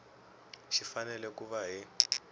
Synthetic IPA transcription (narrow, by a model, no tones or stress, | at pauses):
ʃifanɛlɛkuβaɦi